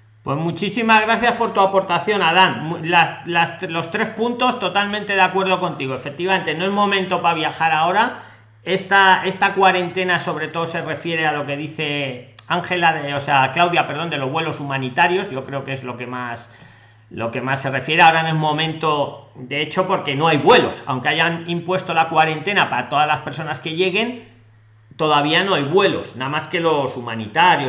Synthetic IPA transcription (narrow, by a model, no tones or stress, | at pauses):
pwe̞zmut͡ʃisimazɣɾaθjaspo̞ɾt̪uapo̞ɾt̪aθjo̞naðanmlaslastlo̞st̪ɾe̞spunt̪o̞st̪o̞t̪almẽnt̪e̞ð̞eakwe̞ɾð̞o̞ko̞nt̪iɣo̞e̞fe̞k̚t̪iβament̪eno̞e̞zmõ̞mẽnt̪o̞paβjaxaɾao̞ɾa | e̞st̪ae̞st̪akwaɾe̞nt̪e̞naso̞βɾe̞t̪o̞ðose̞re̞fje̞ɾealo̞ke̞ðiθe̞aŋxe̞laðeoseaklawðjape̞ɾðo̞nd̪e̞loβwe̞lo̞sumãnit̪aɾjo̞zʝo̞kɾe̞o̞ke̞zlo̞ke̞mas | lo̞ke̞masːe̞re̞fje̞ɾeao̞ɾaenemo̞mẽ̞nt̪o̞d̪eet͡ʃo̞po̞ɾke̞no̞ajβwe̞lo̞sa̰wŋke̞aʝanimpwe̞st̪o̞lakwaɾe̞nt̪e̞napaɾat̪o̞ðazlaspeɾs̬o̞naske̞ʝe̞ɣe̞n | t̪o̞ðaβ̞iano̞ajβwe̞lo̞snamaske̞lo̞sumãnit̪aɾjo